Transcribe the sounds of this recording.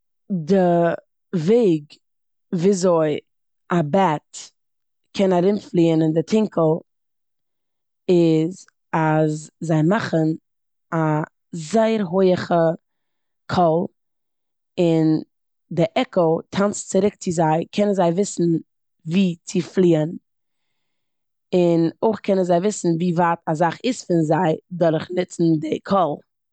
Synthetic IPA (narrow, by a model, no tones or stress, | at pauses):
dɪ | veɪɡ | viːzoɪ | abɛt | kʰɛnaɾɪmflˠiːənɪndɪtʰɪŋkəlˠ | ɪz | azzaɪmaχən | a | zaɪəɾɦoɪəχə | kʰɔlˠ | ɪn | dɪʔɛkəlˠtʰant͡st͡sɪɾɪk̚t͡sɪzaɪkʰɛnənzaɪvɪsn̩ | viːt͡sɪflˠiːən | ɪnoɪχkʰɛnənzaɪvɪsn̩viːvaːtazaχɪsfɪnzaɪdɔɾχnɪt͡sn̩dɪkʰɔlˠ